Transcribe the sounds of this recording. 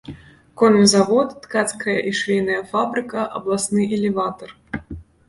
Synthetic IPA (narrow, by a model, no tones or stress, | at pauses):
kɔnmʲzavɔt̪ːkat̪skɐjɐʔiʂvʲijnɐjɐfabɾɨkɐʔɐ̰blˠasnɨʔɛlʲɛvat̪ɐr